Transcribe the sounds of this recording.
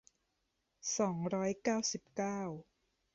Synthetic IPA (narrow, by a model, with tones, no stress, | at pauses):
sɔː˩˦ŋɾɔː˦˥jkaː˥˩wsi˨˩p̚kaː˥˩w